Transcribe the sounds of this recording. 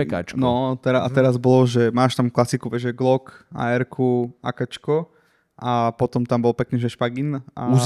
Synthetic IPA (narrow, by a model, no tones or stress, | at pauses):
ɛka̰t͡ʃnɔt̪ɛɾaat̪ɛɾazbɔlɔʒɛmaːʃt̪amklasikuʋɛʒɛɡlɔka̰ɛɾkʰua̰kat͡ʃkɔ | apɔt̪ɔmt̪ambɔlpɛkniːʒɛʃpaɡina̰u